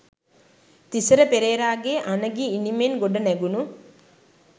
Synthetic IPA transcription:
t̪isəɾəpeɾeːɾaːɡeʔanəɡiːnimenɡoɖənæɡunu

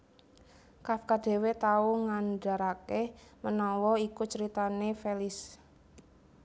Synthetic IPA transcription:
kafkad̥e̤wet̪auŋanɖa̤ɾakemənɔwɔikut͡ʃəɾit̪anefelɪs

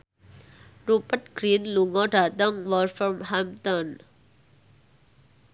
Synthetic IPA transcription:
rupət̪̚ɡ̥ɾĩnluŋɔɖat̪ə̃ŋwɔlfɹɔ̃mhamt̪ɔ̃n

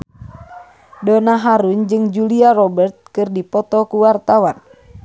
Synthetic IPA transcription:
dɔnaɦaɾund͡ʒɨŋd͡ʒuliarɔbɛrt̪̚kɨrdipɔt̪ɔkuwart̪awan

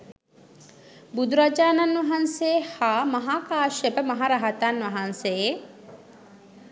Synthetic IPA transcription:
bud̪uɾad͡ʒaːnanʋɐɦanseːhaːmɐɦaːkaːʃebəmɐɦaɾaɦat̪anʋɐɦanseje

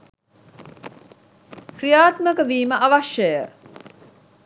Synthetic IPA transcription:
krijaːt̪məkəʋiːməʔɐʋaʃjəjə

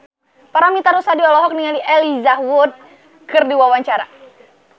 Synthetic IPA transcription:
paɾamit̪aɾusadiɔlɔɦɔk̚niŋaliʔɛlizahwʊt̪̚ | kɨrdiwawaɲt͡ʃaɾa̰

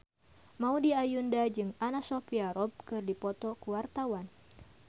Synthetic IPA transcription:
maudiajundad͡ʒɨŋanasofiaɾɔb̚kɨrdipɔt̪ɔkuwart̪awan

